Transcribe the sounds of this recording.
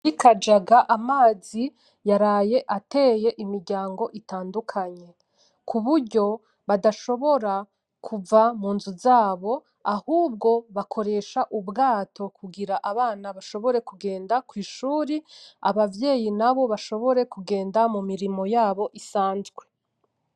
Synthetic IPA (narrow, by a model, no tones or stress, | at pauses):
ikad͡ʒaɡaʔamaːzi | jaɾaːje̞ʔate̞ːje̞ʔimiɾɟaːŋɡo̞ʔitaːndukʰaɲe̞ | kʰuβuɾɟo̞ | βadaʃo̞βo̞ɾa | kʰuvamuːnzuzaːβo̞ | ahuːb̚ɡo̞βakʰo̞ɾe̞ʃaʔubɡaːtʰo̞kʰuɡiɾaʔaβaːnaβaʃo̞βo̞ɾe̞kuɡe̞ːndakwiːʃuːɾiaβavje̞ːjinaβo̞βaʃo̞βo̞ɾe̞kuɡe̞ːndamumiɾimo̞jaːβo̞ʔisaːnzɡwe̞